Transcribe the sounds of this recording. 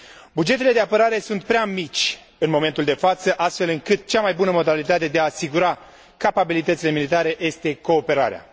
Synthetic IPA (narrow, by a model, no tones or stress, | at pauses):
bud͡ʒe̞t̪e̞le̞d̪e̞apəɾaɾe̞sunt̪̚pɾeamit͡ʃʲ | ɨnmo̞me̞nt̪uld̪e̞fat̪səʔast̪fe̞lɨŋkɨt̪̚t͡ʃamajbunəmo̞d̪alit̪at̪e̞d̪eaːsiɡuɾa | kapabilit̪ət̪sile̞milit̪aɾe̞ʔje̞st̪e̞ko̞ːpe̞ɾa̰ɾea̰